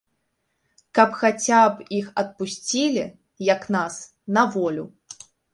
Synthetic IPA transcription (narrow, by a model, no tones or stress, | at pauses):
kɐpxat͡sʲapixɐt̪̚pusʲt͡sʲilʲi | jɐknas | nɐvɔlʲu